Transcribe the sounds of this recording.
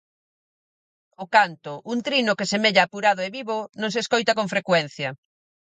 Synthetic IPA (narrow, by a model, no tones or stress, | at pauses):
okant̪ʊʔuŋt̪ɾinokesemeʎaːpuɾaðoeβiβonõŋseskojt̪ɐkoɱfɾekwɛn̟θjɐ